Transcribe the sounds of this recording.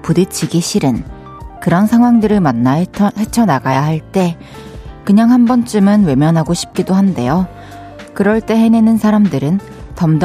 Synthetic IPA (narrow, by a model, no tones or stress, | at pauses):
pudet͡ɕʰiɡiɕʰiɾɯn | kɯɾʌnsʰaŋɦwaŋdɯɾɯɭmanːahet͡ɕʰʌnaɡajahaɭt͈e̞ | kɯɲaŋhambʌnt͡ɕ͈ɯmɯnwe̞mjʌnɦaɡoɕʰi̥p̚k͈idohande̞̰jo | kɯɾʌɭt͈e̞ɦe̞nenɯnsʰaɾamdɯɾɯn | tʌmd